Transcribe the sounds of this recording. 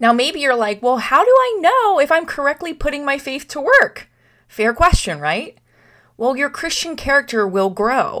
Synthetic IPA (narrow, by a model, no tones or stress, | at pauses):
naʊmeɪbijə˞laɪkwɛlˠhaʊɾəaɪnoʊɨfãɪ̃mkʰə˞ɛk̚tˡlipʰʊɾɪ̃ŋmaɪfeɪθtʰəwɜ˞k | fɛɹkʰw̥ɛst͡ʃɨ̃nɹaɪt̚ | wɛlˠjə˞kʰɹ̥ɪst͡ʃɨ̃nkʰɛɹɨk̚tə˞wɪlˠɡɹoʊ